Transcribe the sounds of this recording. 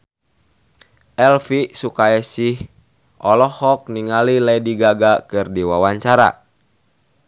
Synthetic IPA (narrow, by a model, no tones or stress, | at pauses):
ʔɛlfisukaɛsih | ɔlɔhɔk̚niŋalilɛjdiɡaɡakɨrdiwawaɲt͡ʃaɾa̰